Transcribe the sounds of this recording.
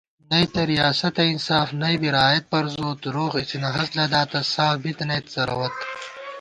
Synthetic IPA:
nɐjt̪ɐɾijaːsɐt̪ɐinsaːfnɐjbiɾaːjɐt̪̚pɐɾzoːt̪ɾoːɣisʰinɐɦɐslɐd̪aːt̪ɐsaːfbit̪ɐnɐjt̪zɐɾɐ̰wɐt̪

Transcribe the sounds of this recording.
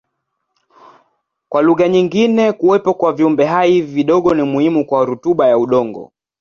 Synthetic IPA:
kwaluɣaɲiŋɡinɛkuwɛpɔkwaviumbɛɦaiviɗɔɠɔnimuhimukwaɾutuɓajauɗɔŋɡɔ̰

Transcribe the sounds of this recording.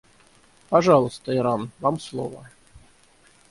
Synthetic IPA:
pɐʐɑlˠəst̪əɪɾanvamslˠo̰və̰

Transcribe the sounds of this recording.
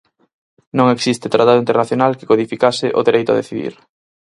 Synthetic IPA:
nõŋeksist̪et̪ɾat̪aðuint̪eɾnaθjonalke̥koðifikasɪʔoðeɾejt̪ʊa̰ðeθiðḭɾ

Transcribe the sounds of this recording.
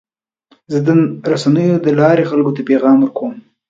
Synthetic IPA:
zəd̪əɾasanəjod̪əlɑɾexalkot̪apeɣɑmwəɾkom

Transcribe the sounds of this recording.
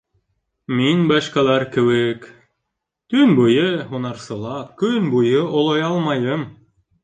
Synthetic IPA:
minbɑʃkɑlˠæɾkɘ̆wɘk | t̪ɵnbujɤɦunɑɾsɤ̆lˠɑkɵnbujɤʔŏlˠojɑlˠmɑjɤm

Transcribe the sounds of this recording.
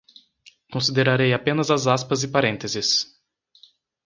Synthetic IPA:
kõsid̪eɾaɾejapẽnɐzɐzaspɐzɪpaɾẽnt̪ezɪs

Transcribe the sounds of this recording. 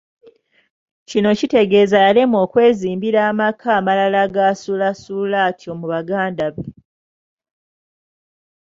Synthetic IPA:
cino̞cite̞ɡe̞ːzajalemo̞ːkwe̞ːziːmbiɾaːmakʰaːmalalaɡasulasulatʰjo̞muβaɡaːndaβe

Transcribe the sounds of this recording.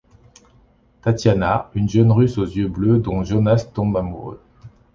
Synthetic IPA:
t̪at̪janaynʒənʁysozjøblød̪ɔ̃ʒonast̪ɔ̃bamṵʁø̰

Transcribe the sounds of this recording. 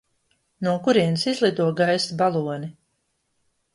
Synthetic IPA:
nuɔkuɾiɛnsizlˠid̪uɔɡajsbalˠuɔni

